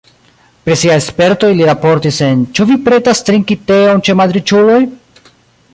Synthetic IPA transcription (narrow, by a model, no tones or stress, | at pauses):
pɾisiajespe̞ɾto̞jliɾapo̞ɾtise̞nt͡ʃuvipɾe̞tastɾiŋkite̞ont͡ʃe̞mad̪ɾit͡ʃulo̞j